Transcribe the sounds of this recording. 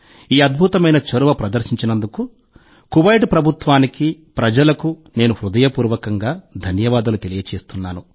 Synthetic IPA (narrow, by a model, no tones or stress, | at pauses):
iːɐd̪̚bʱut̪ɐmɐjnɐt͡ʃoɾuʋɐpɾɐd̪ɐɾʃiɲt͡ʃinɐnd̪uku | kuʋɐjʈpɾɐbʱut̪ʋaːniki | pɾɐd͡ʒɐlɐkune̞ːnuhɾud̪ɐjɐpuːɾʋɐkɐŋɡaːd̪ʱɐnjɐʋaːd̪ɐlut̪elijɐt͡ʃe̞ːst̪unːaːnu